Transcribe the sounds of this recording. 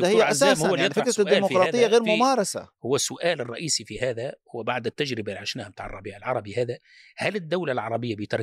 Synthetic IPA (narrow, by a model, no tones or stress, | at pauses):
hɪjːaazaːsmhʊwːajɪˤfɪkɾɑd̪iːlːmʊfɾˤɑːɨjaɣeːɾmmʊmɑːɾˤɑsa̰hʊwːasːʊʔaːlɪrˤːɑʔiːsifihaːðahʊwːabaʕd̪ɪt̪ːad͡ʒɾɪbalʕaʃnaːhamt̪aːʕɑrˤːɑbiːʕɪlʕɑɾˤɑbihaːða | halɪd̪ːawlalʕɑɾˤɑbɪjːabɪjt̪ɑɾˤ